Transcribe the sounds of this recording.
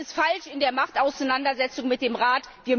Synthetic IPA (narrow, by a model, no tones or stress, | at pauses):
əsfalʃɪndeːɐmaχtaʊsaɪnandɐzɛt͡sʊŋmɪt̚d̥eːmʁaːtviːɐ